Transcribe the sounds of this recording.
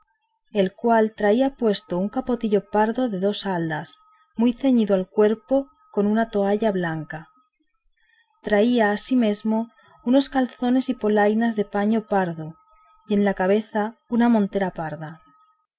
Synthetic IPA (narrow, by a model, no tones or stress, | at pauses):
e̞lkwalt̪ɾaiapwe̞st̪ouŋkapo̞t̪iʎo̞paɾðo̞ðe̞ðo̞sald̪as | mujθe̞ɲiðoalkwe̞ɾpo̞ | ko̞nunat̪o̞aʎaβlaŋka | t̪ɾaiaːsime̞zmo̞ | uno̞skalθo̞ne̞sipo̞lajnazðe̞paɲo̞paɾðo | je̞nlakaβ̞e̞θaunamõnt̪e̞ɾapaɾða